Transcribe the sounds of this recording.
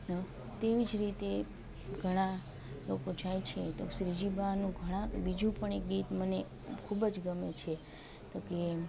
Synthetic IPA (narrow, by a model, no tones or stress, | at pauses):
ə | t̪eʋid͡ʒɾit̪e | ɡʱəɽ̃a | lokod͡ʒajt͡ʃʰet̪oʃɾid͡ʒibʱanũɡʱəɽ̃ãbid͡ʒũpəɳek̚ɡit̪məne | kʰubəd͡ʒɡəmet͡ʃʰe | t̪oke